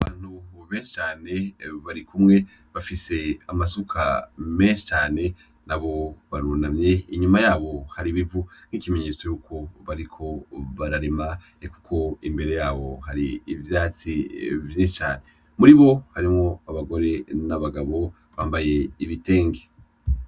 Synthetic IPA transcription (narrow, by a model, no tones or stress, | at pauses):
aβaːn̥huβeːnʃi̥t͡ʃaːne̞βaɾikʰumŋe̞ | βafise̞amasukʰa̰me̞ːnʃi̥t͡ʃaːne̞ | naβo̞βaɾunamɲe̞iɲumajaːβo̞haɾiβivun̥ikime̞ɲe̞t͡so̞juːkʰo̞βaɾikʰo̞βaɾaɾema | eku̥kʰo̞imbe̞ɾe̞jaːβo̞haɾiːvjaːt͡sivjet͡ʃaːne̞ | muɾiβo̞haɾimŋo̞aβaɡo̞ɾe̞naβaɡaβo̞ | βa̰ːmbaje̞iβite̞ːŋɡe